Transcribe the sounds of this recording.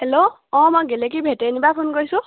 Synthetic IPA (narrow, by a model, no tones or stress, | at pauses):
hɛlo | ɔ̃mɔɡɛlɛk̬ibʱetɛnibapʰʊnkoɹisʊ̃